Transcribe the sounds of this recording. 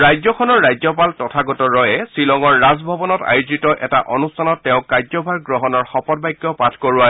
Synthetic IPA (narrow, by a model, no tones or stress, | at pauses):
ɹajzɔkʰɔnɔɹːajzɔpaltɔtʰaɡɔtɔɹɔjɛsilɔŋɔɹːazbʱɔbɔnɔta̰juzitɔʔɛtaʔɔnustʰanɔtːɛʊ̃kaɹzɔbʱaɹɡɹɔɦɔnɔɹxɔpɔdbajɡːɔpatʰkɔɹʊa